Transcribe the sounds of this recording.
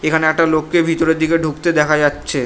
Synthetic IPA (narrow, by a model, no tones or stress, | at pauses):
ekʰaneɛk̚ʈalokːebʱit̪oɾed̪ːikeɖʱukt̪ed̪ɛkʰad͡ʑatːɕʰe